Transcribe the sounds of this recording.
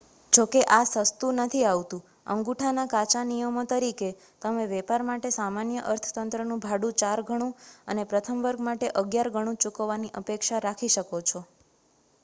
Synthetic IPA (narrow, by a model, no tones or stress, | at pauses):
d͡ʒokeʔasəst̪unət̪ʰiaʋt̪ũ | ə̰ŋɡuʈʰanakat͡ʃanijəmot̪əɾike | t̪əmẽʋɛpaɾmaʈesamanjəʔəɾt̪ʰə̥t̪ənt̪ɾənũbʱaɽũt͡ʃaɾɡʱəɽ̃ũənepɾət̪ʰəmʋəɾɡmaʈeʔəɡjaɾɡʱəɽ̃ũt͡ʃukʋaniʔəpekʃaɾakʰiʃəkot͡ʃʰo